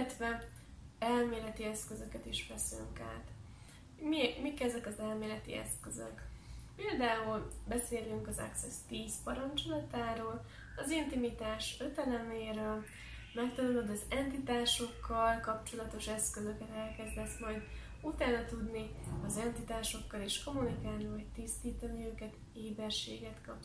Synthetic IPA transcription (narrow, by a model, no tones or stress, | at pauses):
t̪ʋɛ | ɛlmeːlɛt̪iɛskøzø̞kɛt̪iʃfɛsly̰ŋka̰ːt̪ | mimikɛzɛkɒzɛlmeːlɛt̪ḭɛ̰skøzø̰kpeːld̪aːulbɛseːlyŋkɒzɛ̰ksɛst̪iːspɒɾɒnt͡ʃo̞lɒt̪aːɾoːl | ɒzint̪imit̪aːʃøt̪ɛlɛneːɾøl | mɛkt̪ɒlolod̪ɒzɛnt̪it̪aːʃo̞kːɒlkɒp̚t͡ʃo̞lɒt̪o̞ʃɛskøzø̞kɛt̪ɛlkɛzd̪ɛsmɒjd̪ | ut̪aːnɒt̪ud̪niɒzɛnt̪it̪aːʃo̞kːɒleːʃko̞munikaːlnivɒɟt̪ist̪iːt̪ɒniøːkɛt̪ | eːbɛrʃḛːɡɛt̪kɒp